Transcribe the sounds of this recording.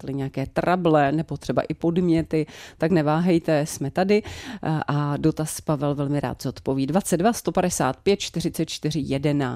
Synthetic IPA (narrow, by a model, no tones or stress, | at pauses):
t̪lɪɲɛjakɛːt̪ɾʔablɛnɛbo̞t̪r̥ɛba̰ʔɪpo̞dmɲɛt̪ɪt̪aknɛvaːɦɛjt̪ɛsmɛt̪adɪʔado̞t̪aspavɛlvɛlmɪɾa̰ːt̪zot̪po̞viːdvat͡sɛddvast̪o̞padɛsa̰ːt̪̚pjɛt̪̚t͡ʃt̪ɪr̝ɪtt͡sɛt̪̚t͡ʃt̪ɪr̝ɪjɛdɛna